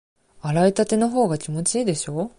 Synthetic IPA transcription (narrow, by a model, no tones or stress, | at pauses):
aɾait̪at̪e̞no̞ɦo̞ːɡakʲimo̞t͡ɕiːd̪e̞ɕo̞ː